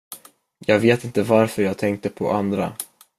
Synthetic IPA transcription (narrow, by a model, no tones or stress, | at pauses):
jɑːɡveːt̪ɪnt̪əvaɾfœɾjɑːɡ̚t̪ʰɛŋk̚t̪əpʰɔʔand̪ɾa̰